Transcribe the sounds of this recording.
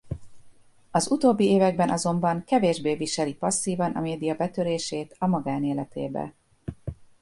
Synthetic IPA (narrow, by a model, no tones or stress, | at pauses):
ɒzut̪oːbːieːvɛɡ̚bɛnʔɒzo̞mbɒŋkɛveːʒbeːviʃɛlipɒsːiːvɒnɒ̰meːd̪ijɒbɛt̪øɾeːʃeːt̪ɒmɒɡaːneːlɛt̪ḛːbɛ̰